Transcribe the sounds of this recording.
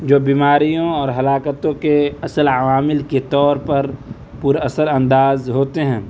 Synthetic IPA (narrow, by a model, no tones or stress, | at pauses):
d͡ʒoːbiːmaːɾijõɔːɾɦɐlaːkət̪õkeɐsəlaʋaːmɪlket̪ɔːɾpɐɾ | puɾɐsəɾɐ̃nd̪aːzɦoːt̪eɦɛ̃ː